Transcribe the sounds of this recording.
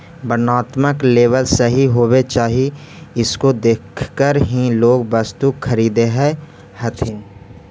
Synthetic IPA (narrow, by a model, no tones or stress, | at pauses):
bənaːt̪məkleːʋəlsəɦiɦoːwet͡ʃaːɦie | ɪskod̪eːkʰkəɾɦĩloːɡbəst̪ukʰːəɾiːd̪eɦɛ | hɐt̪ʰɪn